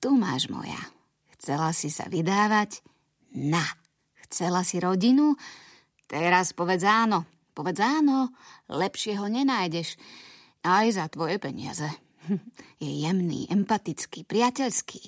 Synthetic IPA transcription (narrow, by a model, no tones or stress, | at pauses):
t̪uma̰ːʒmɔ̰ja̰ | xt͡sɛlasisa̰ʋid̪aːʋaɟ | na | xt͡sɛlasiɾɔɟinu | t̪ɛɾaspɔʋɛd͡zaːnɔ | pɔʋɛd͡zaːnɔlɛpʃɪɛɦɔɲɛnaːjɟɛʃ | ajzat̪ʋɔjɛpɛɲɪ̰a̰zɛ | jɛjɛmnḭːʔɛmpat̪it͡skiːpɾɪacɛʎskʰiː